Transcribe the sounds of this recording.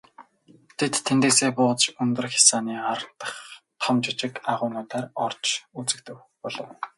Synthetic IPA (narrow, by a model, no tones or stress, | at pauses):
t̪ʰet̪ʰːent̪eːseːpʊːt͡st͡ɕɵnt̪ɵ̆rxʲḁsaːniːaɾə̆n̥t̪ə̥̆χt̪ʰɔmt͡ɕɪt͡ɕɪ̆kaʁʊːnʊːt̪aːrɔr̥t͡ɕut͡sɘ̆kt̪ɘ̆w | pɔɮɞ̆w